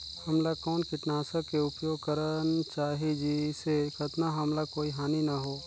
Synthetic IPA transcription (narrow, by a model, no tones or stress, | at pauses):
hɐmlakɔːnkɪʈnaːsəkeʊpjoːɡ̚kəɾənt͡ʃaːɦid͡ʒisekʰɐt̪naɦɐmlakoːiɦaːninaɦoː